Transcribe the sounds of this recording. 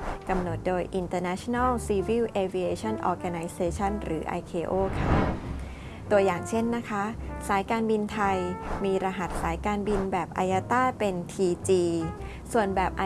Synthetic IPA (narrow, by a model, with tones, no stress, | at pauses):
ka˧mno˨˩t̪̚doː˧jʔi˧nt̪ɤː˧naː˦˥t͡ɕʰo˧na˥˩wsiː˧wi˥˩wʔeː˧vi˧eː˧t͡ɕʰɔ˥˩nʔɔ̰ː˧ɡa˧na˧jseː˧t͡ɕʰa˥˩nɾɯː˩˦ʔa̰˧jkʰeː˧ʔoː˥˩kʰa˥˩ | t̪u˧ɐjaː˨˩ŋt͡ɕʰe˥˩nːa˦˥kʰa˦˥saː˩˦jkaː˧nbi˧nt̪ʰa˧jmiː˧ɾa˧ɦa˨˩t̪̚saː˩˦jkaː˧nbi˧nbɛː˨˩p̚ʔa̰˧jaː˧˥t̪aː˥˩pe˧nt̪ʰiː˧t͡ɕiː˧ | su˨˩ənbɛː˨˩p̚ʔa˧